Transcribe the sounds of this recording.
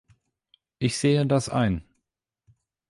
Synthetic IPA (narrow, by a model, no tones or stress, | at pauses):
ʔɪçz̥eːədasʔa̰ɪn